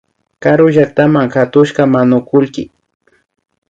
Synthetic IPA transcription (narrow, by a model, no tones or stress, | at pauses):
kaɾʊʒak̚t̪amaŋkat̪ʊʃkamanʊkʊlkɪ